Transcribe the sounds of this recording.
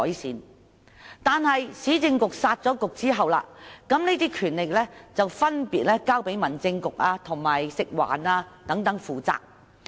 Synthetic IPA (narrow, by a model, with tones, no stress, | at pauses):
ɔː˨˥jsiː˨˥n | t̪aː˨nhɐ˨jsiː˨˥t͡sɪ˧ŋkʊ˨k̚saː˧t̚t͡sɔː˨˥kʊ˨k̚t͡siː˥ɦɐ˨wla̰ː˧kɐ˨˥mneː˥t̪iː˥kʰyː˨˩nle˨k̚lɛː˥t͡sɐ˨wfɐ˥npiː˨t̚lɛː˥kaː˥wpe˨˥jmɐ˨˩nt͡sɪ˧ŋkʊ˨k̚aː˧t̪ʰʊ˨˩ŋmaː˨jsɪ˨k̚wa̰ː˨˩naː˧t̪ɐ˨˥ŋt̪ɐ˨˥ŋfuː˨t͡sa̰ː˨k̚